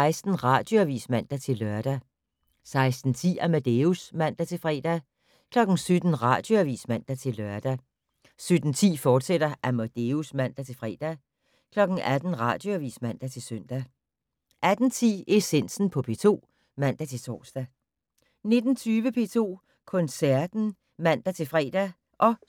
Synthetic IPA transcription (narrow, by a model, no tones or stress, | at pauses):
ɪsd̥n̩ʁɑ̈d̥joæʋḭːsmæn̰d̥æt͡sʰe̝lːɶɐd̥æ | sɑ̈ɪsd̥n̩t͡sʰḭːæmæd̥eusmæn̰d̥æt͡sʰe̝lfʁɛ̰ːd̥æ | kʰlɒ̽ɡ̥n̩sød̥n̩ʁɑ̈d̥joæʋḭːsmæn̰d̥æt͡sʰe̝lœɐ̰d̥æ | sød̥n̩t͡sʰḭːfɒːd̥sed̥ɐʔæmæd̥eusmæn̰d̥æt͡sʰe̝lfʁɛ̰ːd̥æ | kʰlɒ̽ɡ̥n̩æd̥n̩ʁɑ̰̈ːd̥jo̝æʋḭːsmæn̰d̥æt͡sʰe̝søn̰d̥æ | ʔæd̥n̩t͡sʰḭːe̝sen̰sn̩pʰɒ̽pʰe̝̰ːt͡sʰo̝̰ː | mæn̰d̥æt͡sʰe̝lt͡sʰɒ̰ːsd̥æ | ne̝d̥n̩t͡sʰyːʋəpʰe̝̰ːt͡sʰo̝̰ː | kʰɔ̽nsæɐd̥n̩ | mæn̰d̥æt͡sʰe̝lfʁɛ̰ːd̥æ | ʔɒ̽